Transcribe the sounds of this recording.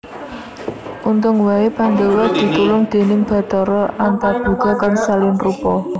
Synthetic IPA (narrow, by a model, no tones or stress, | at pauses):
ʔunt̪ʊŋwaepand̪əwɔd̪̥i̤t̪ulʊŋd̪̥e̤nɪŋb̥a̤t̪ɔɾɔʔant̪arb̪̥ṳɡ̥ɔ̤kansalinrupɔ